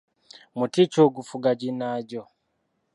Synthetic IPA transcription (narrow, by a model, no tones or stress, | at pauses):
mutit͡ʃoɡufuɡaɟinaɟo